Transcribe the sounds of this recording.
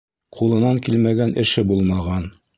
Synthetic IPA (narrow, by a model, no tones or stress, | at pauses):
qulˠɤ̆nɑŋkilmæɡænʔɘ̆ʃɘbulˠmɑʁɑn